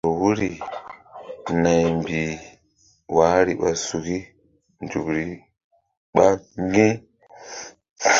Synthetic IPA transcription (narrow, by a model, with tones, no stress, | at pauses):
o˨wu˦ɾi˨ | na˨jmbi˨ | wa˨˦ɾi˨ɓa˨su˨ɡi˦ | nd͡ʒu˨bɾi˨ | ɓa˦ŋ˦ɡi˦